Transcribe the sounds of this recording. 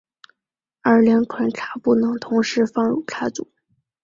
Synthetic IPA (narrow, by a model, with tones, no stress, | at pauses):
ə˞˥˧˩ljɑ˧˥ŋʈ͡ʂʰwa˧˥nʈ͡ʂʰa˧˥pu˥˩nɤ˧˥ŋt̪ʰʊ˧˥ŋʂɻ̩˧˥fɑ˥˧ŋɻu˥˨˩ʈ͡ʂʰa˥t͡sṵ˨˦